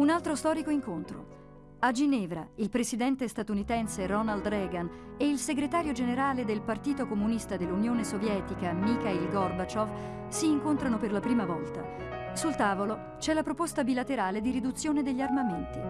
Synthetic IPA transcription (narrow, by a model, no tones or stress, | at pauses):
unalt̪ɾost̪ɔːɾikoiŋkont̪ɾo̰ | ad͡ʒinɛːvɾa̰ilpɾesid̪ɛnt̪est̪at̪unit̪ɛnserɔnald̪ɾɛːɡaneilseɡɾet̪aːɾjod͡ʒeneɾaːled̪elpart̪iːt̪okomunist̪ad̪elːunjoːnesovjɛːt̪ikamikailɡɔrbat͡ʃov | siːŋkont̪ɾanoperlapɾiːmavɔlt̪a̰ | sult̪aːvolo | t͡ʃɛlapɾopost̪abilat̪eɾaːled̪iɾid̪ut̪sːjoːned̪eʎːarmament̪i